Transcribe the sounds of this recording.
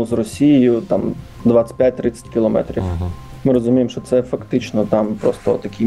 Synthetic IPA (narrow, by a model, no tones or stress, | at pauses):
ʊzrɔsʲijɪjʊt̪ɑm | d̪ʋat̪ʲɪ̥tʲpʲjat̚ʲt̪ɾɪt͡sʲːɐ̥tʲkʲɪlˠɔmɛ̰t̪ɾʲḭf | mɪɾɔzʊmʲijemʃt͡ʃɔt̪sɛfɐkt̪ɪt͡ʃnɔt̪ɑmpɾɔst̪ɔt̪ɐkʲi